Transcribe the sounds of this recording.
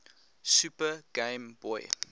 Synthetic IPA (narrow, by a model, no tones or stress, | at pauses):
sʉpəɡ̥ẽɪmbɔj